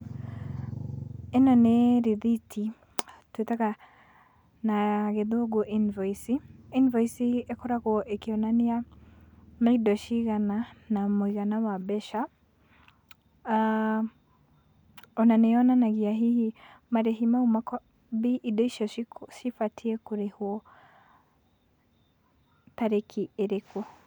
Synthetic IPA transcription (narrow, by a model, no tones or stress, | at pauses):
ɛnɔneɾiðitʰi | twetaka | naɣɛðuɔɡɔʔinvɔisiinvaisiekɔɾakɔʔekiɔnania | maidɔʃiɣananamuiɣanawabɛʃa | ɔnaneɔnanaɣiaɦihimaɾeɦimaumakɔ | biʔidɔiʃɔʃikʃifatʰiɛkuɾehuɔ | taɾekʰieɾeku